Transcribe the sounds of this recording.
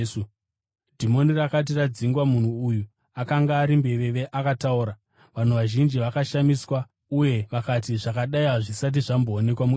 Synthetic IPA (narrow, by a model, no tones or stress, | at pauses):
dʱimo̞nirakat̬irad͡ziŋɡwamun̤uːju | akaŋɡaːɾimbe̞ʋe̞ʋe̞ʔakatauɾa | ʋan̤uʋaʒind͡ʒiʋakaʃamiswa | uje̞ʋakat̬iʐakaɗaiaʐisat̬iʐamboːne̞kwamu